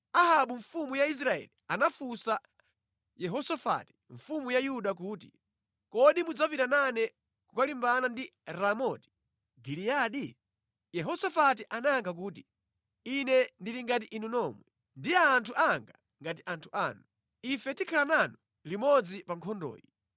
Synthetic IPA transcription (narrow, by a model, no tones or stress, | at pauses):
aɦaɓuɱfumujais̬ɾaɛ̰lianafusa | jɛɦɔsɔfa̰ti̥ɱfumujajuɗak̬uːti | kɔɗimud͡zapitananɛ | kukalimbanandiɾamɔti̥ | ɡilijaɗi | jɛɦɔsafatiʔanajaŋkʰak̬uːti | inɛndiliŋɡatiʔinunɔːmwɛ | ndiaːntʰuʔaŋɡa | ŋɡatiʔantʰu̥ʔaːnu | ifɛtikʰalananɔ | limɔd͡zipaŋkʰɔndɔ̰ːji